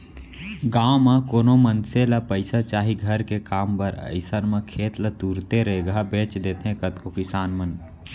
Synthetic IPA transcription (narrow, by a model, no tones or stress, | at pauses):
ɡaːomãkoːnomənselapəɪsat͡ʃaːɦiɡʱəɾkekaːmpəɾə̰ɪsənmãkʰeːt̪lət̪uːɾt̪eɾəɦeɡɦabẽːt͡ʃd̪eːt̪ʰɦẽkət̪kokɪsaːnmən